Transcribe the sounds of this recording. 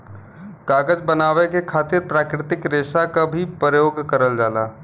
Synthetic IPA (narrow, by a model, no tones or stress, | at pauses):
kaːɡəd͡ʒbənaːʋekekʰaːt̪ɪɾpɾaːkɾɪt̪ɪkɾeːsakabʱipɾjoːɡkəɾəld͡ʒaːlaː